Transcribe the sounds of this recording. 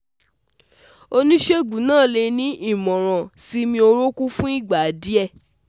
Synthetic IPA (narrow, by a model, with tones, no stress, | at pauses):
o˧nĩ˦ʃe˦ɡ͡bu˨˦nãː˦˨le˧nĩ˦ʔi˦˨mɔ̃˨ɾ̃ã˨si˦mĩ˧o˧ɾo˦ku˦fũ˦i˦˨ɡ͡ba˨di˨˦ɛ˦˨